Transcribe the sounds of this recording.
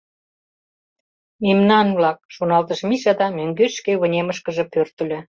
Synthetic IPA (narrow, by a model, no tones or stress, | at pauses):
memnɑnβlɑk̚ʃonɑlt̪əʃmiʃɑd̪ɑmøŋɡøʃkeβə̆nʲeməʃkə̆ʒĕpørt̪ə̆lʲĕ